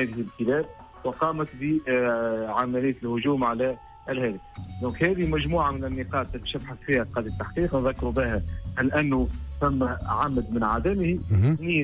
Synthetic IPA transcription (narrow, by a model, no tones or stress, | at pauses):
æːðɪhɪlkəlæːb̚ | wɪqɑːmæt̪bi | ʕamælɪjːt̪lhʊʒuːmʕalæ | ɪlhæːd̪əfd̪ɔ̃ːkhæːðimæʒmuːʕamɪnɪnːiqɑːt̪t̪ʃabħasfiːqɑːd̪it̪ːaħqiːqnðækːɾubɪhæʔalʔænːʊfæmːæʕamd̪mɪnʕaːd̪æmhiniː